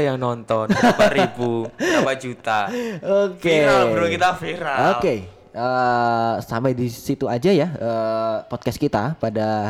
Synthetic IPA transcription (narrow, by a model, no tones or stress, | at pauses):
jaŋnɔnt̪ɔnbaɾebuamad͡ʒut̪aokealbɾukit̪afiɾaoke | ə | sa̰madisit̪uad͡ʒajaəpɔt̪̚kas̚kit̪apada